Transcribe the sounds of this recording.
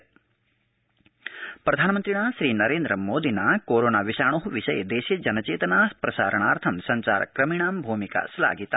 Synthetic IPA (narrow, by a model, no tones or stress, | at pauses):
pɾɐd̪ʱaːnɐmɐnt̪ɾiɳaːʃɾiːnɐɾeːnd̪ɾɐmoːd̪ʱinakoːɾoːnaːʋiʃaːɳ̃oɦuʋiʃɐjed̪eːʃjɐd͡ʒɐnɐt͡ʃeːt̪ɐnaːpɾɐsa̰ːɾɐɳ̃aːɾt̪ʰɐmsɐɲt͡ʃa̰ːɾkɾɐmiɳaːmbʱuːmika̰sla̰ːɡit̪a̰